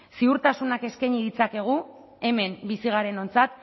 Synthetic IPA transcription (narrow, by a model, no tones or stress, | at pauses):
siuɾt̪asunake̞skaɲiðit͡sake̞ɣ̞u | e̞me̞mbisiɣ̞aɾe̞no̞nt͡sat̪